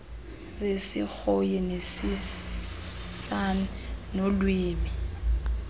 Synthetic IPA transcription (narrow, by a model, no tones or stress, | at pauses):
zesḭk͡xojɛnesi | sannolwiːmi